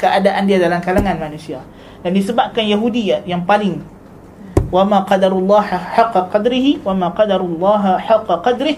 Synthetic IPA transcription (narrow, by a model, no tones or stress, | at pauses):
kəʔadaʔandiadalamkalaŋanmanũsia | dandisəbap̚kanjaɦudiajaŋpalɪŋ | wamãqɑdaɾulˤːɑħɑqːɑqɑd̪ɾɪɦiwamãqɑd̪aɾulːɑɦħɑqːɑqɑd̪ɾɪh